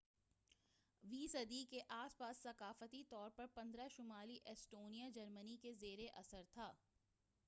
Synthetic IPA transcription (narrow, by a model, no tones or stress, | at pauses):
ʋiːsɐd̪ikeʔaːspaːsːɐkaːfət̪it̪ɔːɾpɐɾpɐ̃nd̪ɾaʃʊmaːliʔɛsʈoːnijad͡ʒɐɾmənikezeːɾeʔɐsəɾt̪ʰaː